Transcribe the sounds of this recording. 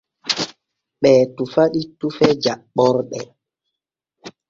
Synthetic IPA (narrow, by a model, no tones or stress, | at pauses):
ɓɛːtufaɗitufɛd͡ʒaɓːɔɾɓɛ